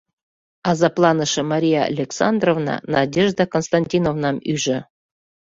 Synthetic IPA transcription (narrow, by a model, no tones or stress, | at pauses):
ɑzɑplˠɑnɤʃɤ̆mɑɾʲija̰ːlʲeksɑnd̪rovnɑ̰nɑdʲeʒd̪akonst̪anʲtʲinovnɑmyʒɘ̆